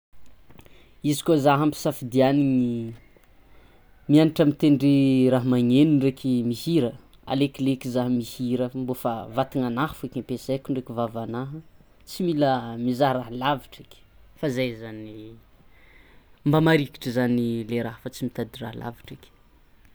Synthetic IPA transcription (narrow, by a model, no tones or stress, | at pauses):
izi̥kozaɦampi̥safid̪ianiŋi | mianiʈ͡ʂəmit̪eɳɖ͡ʐiɾaɦmaŋenuɳɖ͡ʐekʲʰimihiɾə | a̰lekʲilekizaɦmihiɾəmbofavat̪iŋanahfekampesekuɳɖ͡ʐekʲivavanaɦə | t͡similəmizaɦraɦlaviʈ͡ʂi̥kʲi̥fazajzani | mbamaɾiki̥ʈ͡ʂəzanileɾaɦfat͡simit̪ad̪ira̰ɦlʔa̰viʈ͡ʂikʲi̥